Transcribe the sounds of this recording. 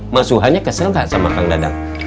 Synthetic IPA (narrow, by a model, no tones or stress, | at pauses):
masuɦaɲakəsəɾaŋhaʔsamakaŋdada̰ŋ